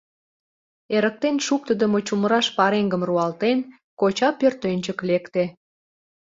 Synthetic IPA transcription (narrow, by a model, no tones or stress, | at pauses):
eɾək̚t̪enʃuk̚t̪əd̪əmot͡ɕuməɾɑʃpɑɾeŋɡəmruɑlt̪en | kot͡ɕɑpørt̪ønʲt͡ɕəklekt̪e